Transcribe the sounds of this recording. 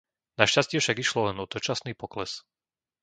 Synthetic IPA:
naʃcascɪɛfʃaɡiʃlɔlɛnɔt̪ɔt͡ʃasniːpɔklɛs

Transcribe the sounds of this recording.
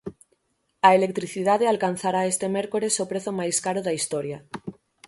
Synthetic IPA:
aelek̚t̪ɾiθiðaðealkan̟θaɾaest̪emeɾkoɾesopɾeθomajskaɾoðaist̪oɾja

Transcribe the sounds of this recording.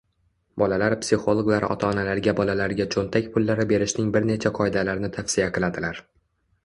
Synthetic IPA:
bɒlalaɾpsʲɪχo̞lˠoɡlˠaɾɒ̰t̪ʰaːnalaɾɡʲabɒlalaɾɡʲat͡ʃʰont̪ʰakʲpʰʊlːaɾɪbe̞ɾɪʃnɪŋbɪɾne̞t͡ʃʰaqʰɒjd̪alaɾnɪt̪ʰafsɪjaqʰɨlˠad̪ɪlaɾ

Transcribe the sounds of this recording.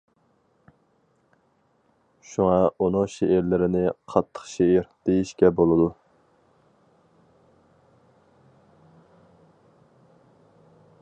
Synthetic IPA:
ʃuŋɑunʊŋʃeʔɪɾlɪɾɪnɪqʰɑt̪ʰːə̥χʃeɪɾd̪̥ejiʃkʲɛbolˠɨd̪u

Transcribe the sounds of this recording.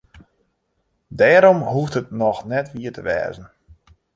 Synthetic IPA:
dɛːɾɔmhuftətnɔxnɛtʋiətʰəʋɛ̰ːzən̩

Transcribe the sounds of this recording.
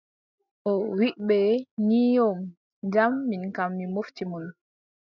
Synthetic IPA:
ʔɔwiʔɓɛɲijom | d͡ʒamːinkamːimoftimun

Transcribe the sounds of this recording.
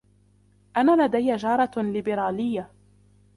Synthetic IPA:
ʔanaːlad̪ajːad͡ʒɑːɾˤɑlɪbɪɾaːlɪjːa

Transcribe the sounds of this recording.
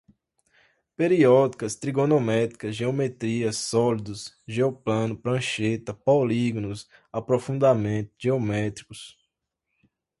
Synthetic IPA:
peɾiɔd̪ikɐst̪ɾiɡõnomɛt̪i̥kɐsʒeomet̪ɾiɐsːɔlid̪ʊs | ʒeoplɐ̃nʊpɾɐ̃ʃet̪ɐpawliɡonʊsapɾofũnd̪amẽt̪ʊʒeomɛt̪ɾikʊs

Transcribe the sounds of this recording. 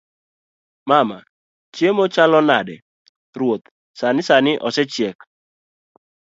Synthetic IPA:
mama | t͡ʃjemot͡ʃalɔnadɛ̰ | rwot̪ | sanɪsanɪʔɔsɛt͡ʃjɛk

